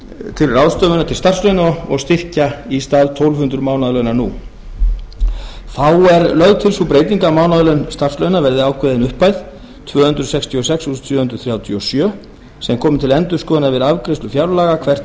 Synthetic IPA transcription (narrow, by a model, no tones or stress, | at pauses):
t̪ʰɪlrawðst̪œːvʏnat̪ʰɪlst̪ar̥slœɥnaɔɣst̪ɪr̥caist̪aːðt̪ʰowlvhʏnt̪ɾʏmaːwnaðlœɥnaɾnu | fawɛɾlœɣðt̪ʰɪlsupɾeːjt̪iŋkamaːwnaðlœɥnst̪ar̥slœɥnavɛɾðɪaːwkʰvɛðɪnʏhpajð̥ | t̪ʰvœːhʏnt̪ɾʏsɛkst̪ʰiɔsɛksu̥t̪ʰvœːhʏnt̪ɾʏ̥θɾjaːwt̪ʰiɔsjœː | sɛmkʰɔːmɪt̪ʰɪlɛnt̪ʏskɔːðnavɪðavkɾest̪ʏfjawɾlaːɣakʰvɛr̥t̪